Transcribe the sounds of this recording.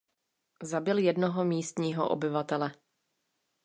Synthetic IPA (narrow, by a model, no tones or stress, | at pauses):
zabɪljɛdnoɦomiːst̪ɲiːɦo̰ʔo̰bɪvat̪ɛlɛ